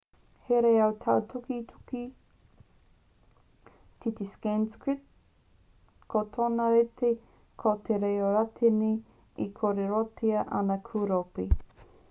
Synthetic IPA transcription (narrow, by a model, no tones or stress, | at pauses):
heɾeɐwt̪ʰawt̪ʰukit̪ʰu̥ki | tʰit̪iskanskɹit̪̚ | kʰot̪ʰonɐɾet̪ʰe | kʰot̪ʰeɾejoɾat̪ʰeni | ikʰoɾeɾot̪ʰiɐʔɐnɐkʰuɾope